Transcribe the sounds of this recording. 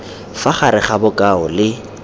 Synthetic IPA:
faχaɾɪχabʊkʼaʊlɪ

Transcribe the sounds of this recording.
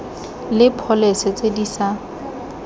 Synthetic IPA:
lɪpʰɔleset͡sʼedisa

